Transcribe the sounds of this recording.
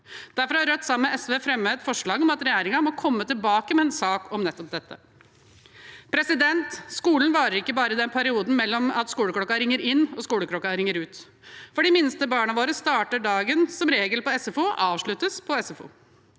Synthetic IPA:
d̪̥æɾfɔɾɑhɑɾœt̪ːsɑmːəʔɛsʋeːfɾɛmːəɛt̪fɔʂɭɑːɡɔmɑt̪ɾɛjæːɾɪŋɑmɔkʰɔmːət̪ɪlbɑːkəmɛɛnsɑːkɔmnɛt̪ːɔp̚d̪ɛt̪ːə̰ | pʰɾɛsɪd̪ɛnt̪skuːlənʋɑːɾəɾɪkːəbɑːɾəɪd̪ɛnpʰæɾɪuːd̪n̩mɛlːɔmɑt̪skuːləkɽɔkːɑɾɪŋːəɾɪnːɔskuːləkʰɾɔkːɑɾɪŋːəɾʉːt̪ | fɔɖɪmɪnst̪əbɑːɳɑʋoːɾəst̪ɑːʈəɖɑːɡənsɔmɾeːɡəlpɔɛsɛfuːʔɑːʋʂɭʉt̪əspʰɔɛsɛfṵː

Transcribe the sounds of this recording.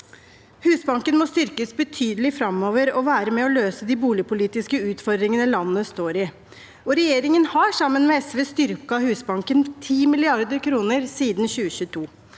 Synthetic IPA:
hʉːsbɑŋkənmɔst̪ʏɾkəsbət̪ʰyːd̪əlɪfɾɑmːoːʋəɾɔʋæːɾəmɛɔløːsəd̪ɪbuːlɪəpʰʊliːt̪ɪskəʉːt̪fɔɾd̪ɾɪŋənəlɑnːnəst̪oːɾɪ | ɔɾɛjeːɾɪŋənhɑʂɑmːənmɛɛsʋeːst̪ʏɾkɑhʉːsbɑŋkənt̪ʰiːmɪlɪɑɾd̪əɾkʰɾuːnəɾsiːd̪nçʉːəɕʉːt̪ʰuː

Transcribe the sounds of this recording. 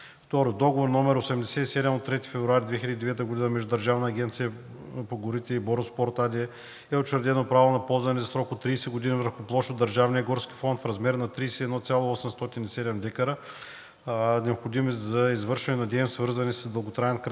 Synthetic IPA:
ft̪ɔɾod̪ɔɡovoɾnɔmɛɾosɛmd̪ɛsɛt̪isɛd̪ɛmot̪ːɾɛt̪i̥fɛvɾuaɾʲid̪vɛxʲilʲəd̪id̪ɛvɛt̪əɡʊd̪inəmɛʒd̪ʊd̪ɐɾʒavnəːɡʲɛnt̪sijə | poɡʊɾit̪ɛibɔɾʊspɔɾt̪ad̪ʲiɛ | ɛot͡ʃɛɾd̪ɛnopɾavonɐpɔlˠzvɐnɛzɐsɾɔkot̪ːɾiːsɛɡʊd̪inivəɾxʊplˠɔʃod̪əɾʒavnijəɡɔɾski̥fɔnt̪fɾɐzmɛɾnɐt̪ɾiːsɛd̪nɔt̪sʲjalˠoɔsɛmst̪ɔt̪inisɛd̪ɛmlʲɛkəɾə | nɛopxod̪imɛzɐizvɤɾʃɛnɛnɐd̪ɛɛmsvəɾzɐnɛsəsd̪əlˠɡot̪ɾaɛnkɾ

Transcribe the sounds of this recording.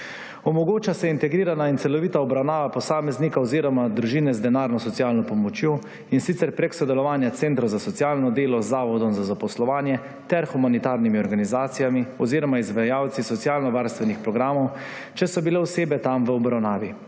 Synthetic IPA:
ɔmɔɡoːt͡ʃasɛint̪ɛɡɾiːɾanaint̪sɛlɔʋiːt̪aɔbɾawnaːʋapɔsaːmɛznikaɔziːɾɔmad̪ɾuʒiːnɛzd̪ɛnaːɾnɔsɔt̪sijaːlnɔpɔmɔt͡ʃjoː | insit̪sɛɾpɾɛksɔd̪ɛlɔʋaːnjat̪sent̪ɾɔwzasɔt̪sjaːlnɔd̪eːlɔzːaːʋɔd̪ɔmzazapɔslɔʋaːnjɛ | t̪ɛɾxumanit̪aːɾnimiɔɾɡanizaːt̪sijamiɔziːɾɔmaizʋajaːwt̪sisɔt̪sijaːlnɔʋaːɾst̪ʋɛnixpɾɔɡɾaːmɔw | t͡ʃɛsɔbilewseːbɛt̪amʋəɔbɾawnaːʋi

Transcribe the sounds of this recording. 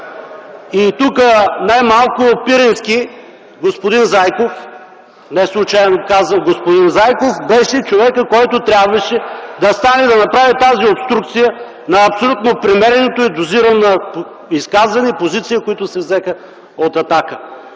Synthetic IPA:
it̪ukənajmalˠkʊopiɾɛnski | ɡospod̪inzajkof | nɛslˠʊt͡ʃajɛnokazvənɡospod̪inzajkofbɛʃɛt͡ʃovɛkəkɔjt̪ʊt̪ɾʲjabvɐʃɛd̪ɐst̪anɛd̪ɐnɐpɾavit̪aziopst̪ɾukt̪sijə | nɐːpsolʲut̪nopɾimɛɾɛnot̪oɛd̪ʊziɾənɐp | iskazvɐnipozit̪sijikoit̪ʊsɛvzɛxə | ot̪ɐt̪akə

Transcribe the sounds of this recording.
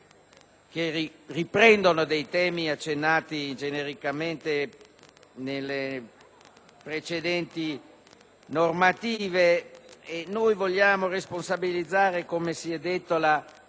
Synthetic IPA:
k̟eriripɾɛnd̪onod̪ejt̪ɛːmiat͡ʃːenːaːt̪id͡ʒeneɾikament̪e | nelːe | pɾet͡ʃed̪ɛnt̪i | normat̪iːveenːojvolʎːaːmoresponsabilid̪zːaːɾekomesiɛd̪ːet̪ːola

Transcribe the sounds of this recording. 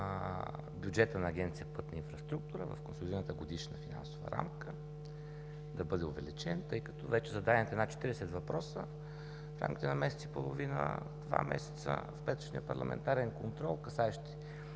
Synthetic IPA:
bjud͡ʒɛt̪ənɐːɡʲɛnt̪sijəpɤt̪nəinfɾɐst̪ɾuk̚t̪uɾə̰vɐ̰fkonsolʲid̪iɾənət̪əɡod̪iʃnəfina̰nsovə̰ɾa̰mkə | d̪ɐbɤd̪ɛʊvɛlit͡ʃɛnt̪ɤjkɐt̪ɔvɛt͡ʃɛzɐd̪aɛmt̪ɛnat̪t͡ʃɛ̥t̪iɾɛsɛt̪vɐpɾɔsə | fɾa̰mkʲi̥t̪ɛnɐmɛsɛ̥t̪i̥polˠovinə̰d̪va̰mɛ̰sɛ̥t̪sə̰fpɛt̪o̥ʃnijəpɐ̰ɾlˠɐ̰mʔɛ̰nt̪aɾɛnkont̪ɾɔlˠkɐsaɛʃt̪i̥

